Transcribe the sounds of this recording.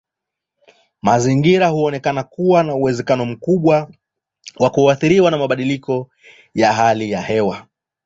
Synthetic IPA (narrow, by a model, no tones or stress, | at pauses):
maziŋɡiɾahuɔnɛkanakuwanauwɛzɛkanɔm̩kuɓwa | wakuaθiɾiwanamaɓaɗilikɔ | jaɦalijahɛwa